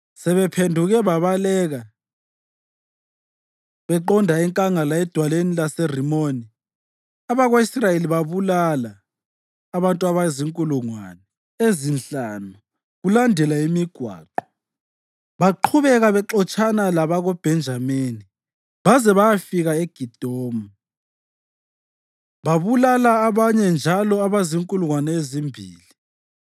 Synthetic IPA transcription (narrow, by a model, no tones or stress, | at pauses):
sɛβɛpʰendʱuɣɛβaβalɛːɣa | βɛǃɔndʱaɛŋkʼaŋalaɛd̥ʱwalenilaserimoni | aβaɣweisrajeliβaβulalaː | βantʼuaβaziŋkʼuluŋwa̰ːnɛ | ezinɬanu | ɣulandʱɛlaimiɡ̥ʱwa̰ːǃɔ̥ | βaǃʰuβɛɣaβɛǁɔt͡ʃʼanalaβaɣɔb̥ʱɛnd͡ʒʱameːni | βazɛβajafiɣaeɡ̥ʱid̥ʱɔːma | βaβulalaːβaɲɛnd͡ʒʱalɔaβaziŋkʼuluŋwanɛezimbʱḭːli